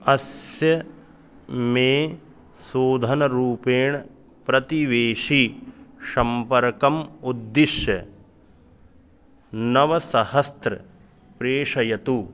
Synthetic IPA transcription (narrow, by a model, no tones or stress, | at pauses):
ɐsjɐ | meː | soːd̪ʱɐnɐɾuːpeːɳ | pɾɐt̪iʋeːʂiʃɐmpɐɾkɐmud̪ːiʃjɐ | nɐʋɐsɐhɐst̪ɾɐ̰ | pɾeːʂɐjɐt̪u